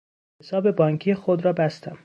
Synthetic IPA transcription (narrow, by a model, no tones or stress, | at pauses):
hesɒːbe̞bɒːŋkʰijexod̪ɾɒːbæst̪æm